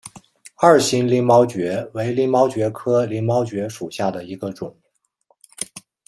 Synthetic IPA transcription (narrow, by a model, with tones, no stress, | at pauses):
a˞˥˩ɕi˥nli˧˥ŋmɑ˥ʊt͡ɕɥɛ˧˥we˧˥ɪli˧˥mɑ˥ʊt͡ɕɥɛ˧˥kʰɤ˥li˧˥nmɑ˥ʊt͡ɕɥɛ˧˥ʂu˨˩ɕja˥˩d̪ə˩i˧˥ɡə˧ʈ͡ʂʊ˨˩˦ŋ